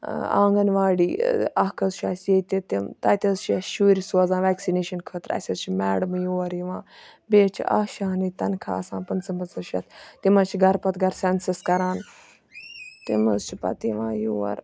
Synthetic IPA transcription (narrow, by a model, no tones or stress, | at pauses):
a̰ːŋɡɐnʋaːɽiːɐkʰɐzʃʰaːsjeːt̪ʲit̪imt̪ɐt̪ʲɐzt͡ʃʰiɐʃuːɾisuɐzãːʋɛːksineːʃɐnkʰəːt̪ɾɐ̰sʲɐzt͡ʃʰimɛːɽɐmjoːɐɾjiʋãːbeːt͡ʃʰḭʔɐ̰ʃaːnit̪ɐnkʰa̰ːɐsãːpɐnt͡sɐmbɐt͡sɐʃɐt̪ʰt̪imɐt͡ʃʰiɡɐɾpɐt̪ɡɐɾsɛnsɐskɐɾaːn | t̪imɐzt͡ʃʰipɐ̰t̪iʋãːjoːɐ̰ɾ